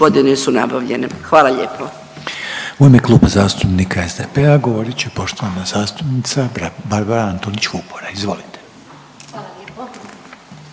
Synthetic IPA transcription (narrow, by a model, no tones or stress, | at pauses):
od̪inesuna̰baʋʎḛnḛxʋaːlaʎḛːpʰo | uemeklˠuːbazaːst̪upnikʰae̞zd̪epeaɡo̞ʋo̞ɾit͡ɕepo̞ʃt̪oʋanazaːst̪upnit̪sabaɾbaɾaant̪onit͡ɕfupoɾaizʋo̞lit̪e̥